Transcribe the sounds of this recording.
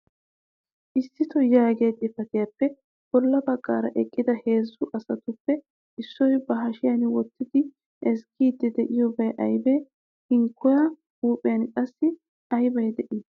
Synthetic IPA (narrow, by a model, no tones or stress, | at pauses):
ʔɪsːɪt̪ɔjaːɡd̪ʼɪfɐt̪ɪjapːɛ | b̥ɔlːɐbɐkʼːa̰ːɾɐ̰ʔɛkʼːɪd̪ɐheːzːʊʔɐsɐt̪ʊpːɛ | ɪsːɔjbɐɦɐʃɪjɐnwɔt̪ːɪd̪ɪ | ɛskʰiːd̪ːɛd̪ɛʔɪjɔbɐjʔɐjbɛ | hɪŋkʰːɔjɐ | huːpʼɪjɐnkʼɐsːɪ | ɐjbɐjd̪ɛʔɪ